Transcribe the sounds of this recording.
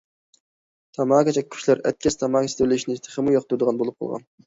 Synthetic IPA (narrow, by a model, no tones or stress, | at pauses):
t̪ʰɑmɑːkʲɛt͡ʃʰɛy̥ʃlæɾɛ̰t̪̚kʲɛst̪ʰɑmɑːkʲɛst̪ʰølɪiʃnɪt̪ʰɪχəmujɑqt̪ud̪əʁɑnbolˠup̚qʰɑ̰lˠʁɑ̰n